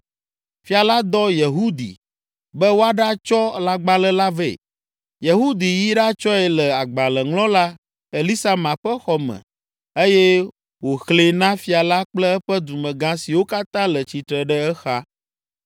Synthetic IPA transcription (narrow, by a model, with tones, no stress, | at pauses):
fi˨a˨la˦d̪ɔ˦je˨ɦu˦d̪ḭ˨ | bɛ˦wo˦a˦ɖa˦t͡ʃɔ˦la˦ɡ͡ba˦lɛ˦la˦ve˦˨ | je˨ɦu˦d̪i˨ji˦ɖa˦t͡ʃɔ˦ɛ˨lɛ˨a˨ɡ͡ba˨lɛ˨ŋlɔ̃˦la˦ | e˨li˦sa˦mã˨ɸɛ˦xɔ˦mɛ̰̃˨ | e˦jɛ˦ | wo˨xle˦nã˦fi˨a˨la˦k͡plɛ˦ɛ˦ɸɛ˦d̪u˨mɛ̃˨ɡã˦si˨wo˦ka˦t̪ã˦lə˨t͡ɕi˨t̪ɾə˨ɖɛ˦ɛ˦xa˦